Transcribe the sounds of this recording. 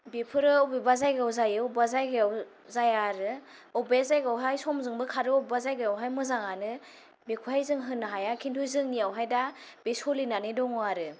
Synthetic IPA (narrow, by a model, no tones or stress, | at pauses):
bepʰɯɾɯɔbibazajɡawzajɯbazajɡaw | zajaɾɯɔbezajɡawɦajsɔmzɯŋbɯkʰaɾɯɔbbazajɡajawɦajmɯzaŋanɯ | bekʰuhajzɯŋɦɯnːɦajakʰintʰujzɯŋnijawɦajdab̥esɔlinanidɔŋɔaɾɯ